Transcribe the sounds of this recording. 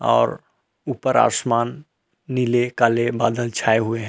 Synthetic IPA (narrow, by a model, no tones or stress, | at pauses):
ɔ̰ːɾ | uːpəɾa̰ːsmaːnː | ilekalebaːd̪əlt͡ʃʰaːeɦʊeɦɛ̃